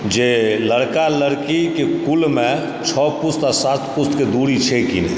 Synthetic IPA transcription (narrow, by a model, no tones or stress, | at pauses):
d͡ʒeləɽkaləɽkikekʊlmẽ | t͡ʃʰɔːpʊst̪asaːt̪ʰpʊst̪ked̪uːɽit͡ʃʰekine